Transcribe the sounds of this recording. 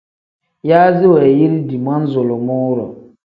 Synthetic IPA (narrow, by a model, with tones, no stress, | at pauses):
jaː˦zɪ˦wɛː˨ji˦ɾi˦di˨ma˦n̩˦zʊ˨lɔ˨mʊː˦ɾɔ̰˨